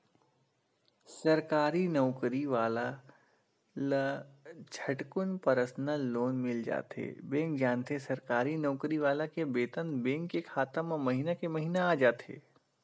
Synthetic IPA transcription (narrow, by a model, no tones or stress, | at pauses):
sɐɾkaːɾinɐʊkɾiʋaːla | lət͡ʃʰɐʈkʊnpɐɾəsnaloːnmɪld͡ʒa̰ːt̪ḛːbẽːŋk̚d͡ʒaːnt̪ʰesɐɾkaːɾinɐːʊkɾiʋaːlakebeːt̪ənbẽːŋkːekʰaːt̪ãmãmɐɦinakemɐɦiːnaaːd͡ʒaːt̪ḛː